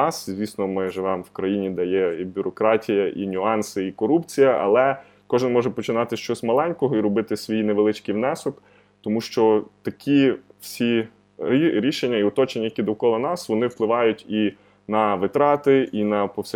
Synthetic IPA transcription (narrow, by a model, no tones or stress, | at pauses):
ɑszʲʋʲisnɔmɪʒɪʋɛmwkɾɐjinʲid̪ɐjɛibʲʊɾɔkɾɑtʲijɐʔinʲʊɑnsɪikɔɾupt͡sʲijɐʔɐ̰lˠɛ | kɔʒɪnmɔʒɛpɔt͡ʃɪnɑt̪ɪʃt͡ʃɔsʲmɐlˠɛnʲkɔɦɔiɾɔbɪt̪ɪsʲʋʲijineʋelˠɪt͡ʃkijwnɛsɔk | t̪ɔmuʃt͡ʃɔt̪ɐkʲiw̥sʲi | iɾʲiʃenʲːɐiɔt̪ɔt͡ʃenʲːɐjɐkʲid̪ɔkɔlˠɐnɑsʋɔnɪwplˠɪʋɑjʊtʲi | nɐʋɪt̪ɾɑt̪ɪinɐpɔwsʲ